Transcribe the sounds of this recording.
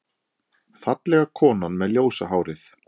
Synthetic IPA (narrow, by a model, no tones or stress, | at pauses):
θfat̪lɛɣakʰɔːnanmɛðljoːwsa̰ɦaːwɾɪθ